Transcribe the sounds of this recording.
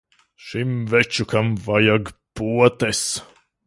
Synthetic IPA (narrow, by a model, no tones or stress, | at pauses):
ʃimvɛt͡ʃukamvajaɡpuɔt̪ɛs